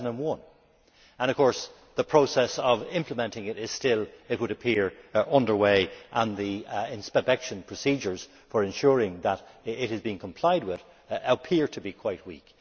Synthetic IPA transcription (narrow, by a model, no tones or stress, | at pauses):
nə̃nwʌ̃n | ə̃ñʌv̥kʰɔɹs | ðəpʰɹ̥oʊsɛsəvɪ̃mpləmɛ̃ntɪ̃ŋɪɾɪz̥stɪlˠɪt̚wəɾəpʰɪɹʌ̃ndə˞weɪʔə̃nðiɪ̃nspəbɛkʃə̃npʰɹ̥əsid͡ʒə˞z̥ | fə˞ɨ̃nʃʊɹɪ̃ŋðəɾɪt̚hɨzbiɪ̃nkʰə̃mpʰl̥aɪd̚wɪð | əpʰɪɹtʰəbikʰw̥aɪt̚wḭk